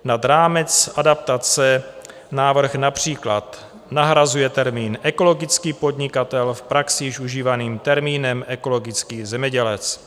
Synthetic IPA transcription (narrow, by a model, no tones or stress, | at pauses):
nad̪ɾaːmɛt͡sʔadap̚t̪at͡sɛ | naːvr̩xnapr̝̥iːklat̪ | naɦɾazujɛt̪ɛɾmiːnʔɛko̞lo̞ɡɪt͡skiːpo̞d̪ɲɪkat̪ɛlfpɾaksɪjɪʃuʒiːvaniːmt̪ɛɾmiːnɛmɛko̞lo̞ɡɪt͡skiːzɛmɲɛɟɛlɛt͡s